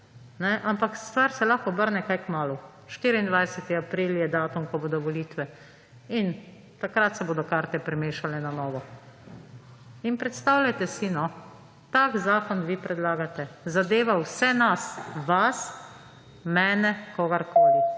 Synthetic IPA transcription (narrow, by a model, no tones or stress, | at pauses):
nɛʔampakst̪ʋaɾsɛlaxkɔbəɾnɛkajkmaːlu | ʃt̪iːɾiːnd̪ʋajsɛt̪iapɾiːljɛd̪aːt̪umkɔboːd̪ɔʋɔliːt̪ʋɛ | in | t̪akɾat̪sɛboːd̪ɔkaːɾt̪ɛpɾɛmeːʃalɛnanɔːʋɔ | inpɾɛt̪st̪awlʲat̪ɛsinɔ | t̪akzaːkɔnʋipɾɛd̪laːɡat̪ɛzad̪eːʋawsɛnasʋas | mɛːnɛkɔɡaɾkoːli